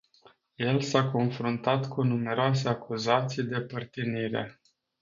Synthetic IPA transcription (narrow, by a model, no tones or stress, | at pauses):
je̞lsako̞nfɾunt̪at̪kʰunume̞ɾoase̞akʰuzat̪sijd̪e̞pərt̪iniɾe̞̰